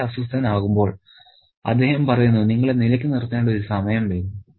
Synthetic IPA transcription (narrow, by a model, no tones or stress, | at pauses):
ɐsust̪ʰɐnaːɣumbo̞ːɭ | ɐ̰d̪ːe̞ːhɐmpɐrɐjunːuniŋːɐɭenilɐkʲːɨnirt̪iaːnɖɐoɾusɐmɐjɐmʋeːnu